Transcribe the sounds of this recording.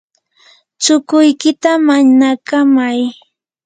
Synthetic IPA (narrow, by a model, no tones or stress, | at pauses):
t͡ʃʊkʊjkɪt̪amaɲnakamaj